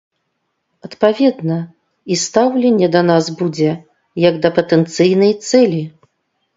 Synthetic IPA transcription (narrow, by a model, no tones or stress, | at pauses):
ɐt̪pavʲɛd̪nɐ | ist̪awlʲɛnʲːɛd̪ɐnazbud͡zʲɛ | jɐɡd̪ɐpɐt̪ɛnt̪sɨjnɐjt̪sɛlʲi